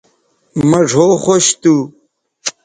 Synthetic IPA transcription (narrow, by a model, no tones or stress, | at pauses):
mɐʐʱoxoɕt̪u